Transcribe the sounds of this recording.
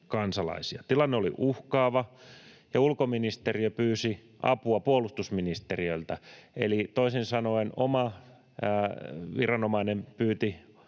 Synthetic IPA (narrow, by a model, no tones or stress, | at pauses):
kɑnsɑlɑ̰isiɑt̪ilɑnːeolḭʔuhkɑːʋɑ | jɑulkominist̪eriøpyːsi | ʔɑ̰puɑpuolust̪usminist̪eriøilt̪æḛlit̪oisinsɑnoinomɑ | ʋirɑnomɑinempyːt̪i